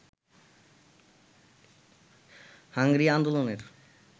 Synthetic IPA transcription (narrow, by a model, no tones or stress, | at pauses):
haŋɡɾiaːnd̪oloneɾ